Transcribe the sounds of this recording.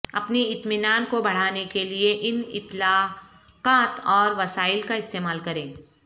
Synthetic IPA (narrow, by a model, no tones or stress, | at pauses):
ɐ̰pniɪt̪mɪnaːnkobɐɽ̤aːnekelieʔɪnɪ̰t̪laː | qaːt̪ɔːɾʋɐsaːɪlkaɪst̪eːmaːlkɐɾẽː